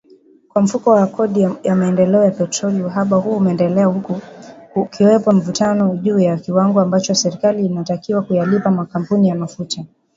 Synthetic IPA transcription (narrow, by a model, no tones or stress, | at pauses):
kwam̩fukɔwakʰɔɗijamaɛndɛlɛɔjapɛtɾɔliuɦaɓahuumɛɛndɛlɛahu | kʰiwɛpɔm̩vutanɔʄuːjakiwaŋɡɔambat͡ʃɔsɛɾikaliːnatakiwakujalipamakam̩punijamafuta